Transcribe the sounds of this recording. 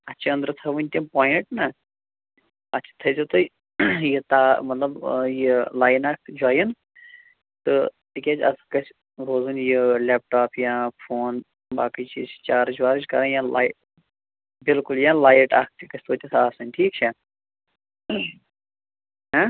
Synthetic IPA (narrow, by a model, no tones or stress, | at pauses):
ɐtːʃʰiɐ̃nd̪ɾɨt̪ʰɐʋɨnʲt̪ʲipaːjiɳʈnɐ | ɐtːt͡ʃʰi̥t̪ʰɐjzot̪ɨ | jit̪aːmɐt̪lɐbjilaːjnaːk̚d͡ʒuaːjin | t̪ɨt̪ikʲet͡ʃɐ̰skɐt͡ʃʰ | ɾoːzunjilʲeːp̚ʈaːpjãfʰoːn | baːkit͡ʃit͡ʃaːɾd͡ʒuʋaːɾɨt͡ʃkɐɾajãːla̰ːjʈ | bilkuljãlaːjʈa̰ːk̚ʰt̪ikɐsʰʲt̪oːt̪ʲɐt̪ʰaːsɨnʲʈʰiːk̚t͡ʃʰen | ɦa